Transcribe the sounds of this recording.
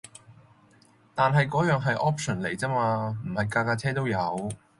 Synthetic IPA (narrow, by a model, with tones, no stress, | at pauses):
t̪aː˨nɦɐ˨jkɔː˨˥jœː˨˧ŋɦɐ˨jʔɔː˥p̚t͡ʃɔ˨˩nle˨˩jt͡sɐː˥maː˧m̩˨˩hɐ˨jkaː˧kaː˧t͡sʰɛː˥t̪o˥wjɐ˨˧w